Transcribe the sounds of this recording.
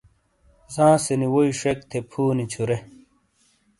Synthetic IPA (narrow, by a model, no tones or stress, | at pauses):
zãːseniwoiʂek̚t̪ʰepʰuːnit͡ɕʰuɾe